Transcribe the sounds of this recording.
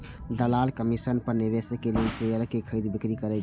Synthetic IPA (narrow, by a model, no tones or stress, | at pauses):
d̪əlaːlkəmisənpəɾnɪʋesəkelelseəɾəkekʰəid̪bɪkɾikəɾɛ